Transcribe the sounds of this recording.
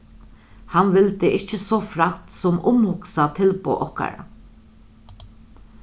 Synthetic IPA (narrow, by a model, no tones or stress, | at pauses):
hanʋɪlt̪ɪʔɪht͡ʃəsɔfɾaht̪sɔmʔʊmhʊksat̪ʰɪlpʊ̰ʔɔhka̰ɾa̰